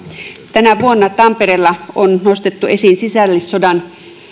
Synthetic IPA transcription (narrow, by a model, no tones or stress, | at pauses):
t̪ænæʋuonːɑt̪ɑmpeɾeːlːɑonnost̪et̪ːue̞sinsisælːissodɑn